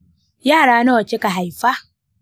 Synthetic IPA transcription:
jaː˦˨ɽaː˦nɐ˦wɐ˨t͡ʃe˦ka˨ɦa˨jɸa˦

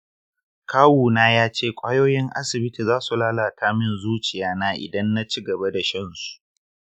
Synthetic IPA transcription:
kʰaː˦wuː˨naː˦jaː˦t͡ʃeː˦˨kʷʼaː˦joː˦jɪ˦ŋʔa̰˦sɪ˨bɪ˦ti˨zaː˦su˨laː˦laː˨tʰaː˦mɪ˦nzuː˦t͡ʃɪ˨jaː˦naː˦ʔɪ̰˨dɐ˦nːa˦t͡ʃi˦ɡɐ˨ba˦da˨ʃɐ˦nsu̥˨ʔ

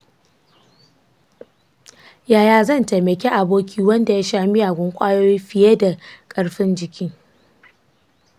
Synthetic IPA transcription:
jaː˨jaː˨zɐ˦˨nte˨mɐ˨kʲe˦ʔa˨boː˦kʲʰiː˦wɐ˦nda˨ja˦ʃaː˦mɪ˦ja˨ɡʷʊ˦ŋkʷʼaː˦joː˦jɸɪ˨je˦da˨kʼɐ˦ɽɸɪ˦nd͡ʒɪ˨kʲɪ˦ŋ

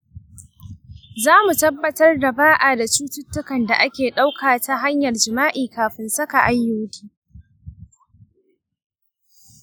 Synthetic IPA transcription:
zaː˦mu˨tɐ˦bːɐ˨tɐ˦rda˨baː˦ʔaː˨da˨t͡ʃuː˦tʊ˦tːʊ˦kɐ˨nda˨ʔa˦kʲeː˨ɗa˦wkʰaː˨ta˦ɦa˦ɲjɐ˨rd͡ʒɪ˨maː˦ʔiː˨kaː˨ɸɪ˨nsɐ˦ka˨ʔa˦jːoː˨˦tʲiː˦

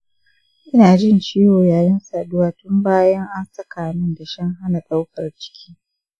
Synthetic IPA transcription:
ʔɪ˦naː˨d͡ʒɪ˦nt͡ʃiː˦woː˨jaː˨jɪ˦nsaː˨dʊ˦waː˦˨tʊ˦mbaː˦jɐ˦ŋʔa˦nsɐ˦kaː˨nɪ˦nda˨ʃɐ˦ŋɦa˦na˨sa˦wkʰɐ˨rt͡ʃɪ̥˦kʲʰi̥ː˦

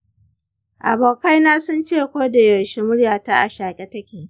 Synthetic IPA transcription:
ʔa̰˨boː˨ka˦jnaː˦sʊ˦nt͡ʃeː˦˨kʷoː˦da˨jɐ˨ʃi˦mʊ˦ɽjaː˨ta˦ʔa˨ʃaː˨kʲʼɛ˦tɐ˦kʲeː˨

